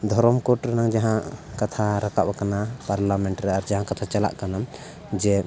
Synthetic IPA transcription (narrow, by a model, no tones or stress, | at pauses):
d̪ʱɔɾɔmkɔʈɾɛnaŋd͡ʒaɦãʔkat̪ʰaɾakaʔbakanapaɾlamɛɳʈɾɛaɾd͡ʒaɦãkat̪ʰat͡ʃala̰ʔkanam | d͡ʒɛ